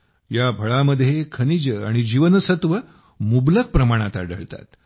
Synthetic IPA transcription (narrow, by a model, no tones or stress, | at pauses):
jabʱəɭaməd̪ʱːjekʰənid͡ʑəa̰ɽ̃id͡ʑiʋənsət̪ʋə | mublək̚pɾəmaɽ̃at̪a̰ɖəɭt̪a̰t̪